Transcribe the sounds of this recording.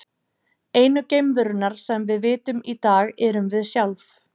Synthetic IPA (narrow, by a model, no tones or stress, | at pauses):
eːjnʏcejmvʏɾʏnaɾ̥sɛmvɪðvɪːt̪ʏmit̪aːɣɛɾʏmvɪðsjawlf